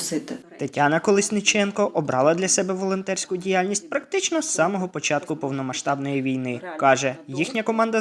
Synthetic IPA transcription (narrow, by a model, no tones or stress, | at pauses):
sɪt̪ɪt̪ɐtʲanɐkɔlˠɪsʲnɪt͡ʃɛnkɔʔɔbɾɑlˠɐd̪lʲɐsɛbɛʋɔlˠɔnt̪ɛrʲsʲkʊdʲijalʲnʲisʲt̚ʲpɾɐk̚t̪ɪt͡ʃnɔsːɑmɔɦɔpɔt͡ʃɑt̪kʊpɔwnɔmɐʃt̪ɑbnɔjiʋʲijnɪkɑʒɛjixnʲɐkɔmɑnd̪ɐ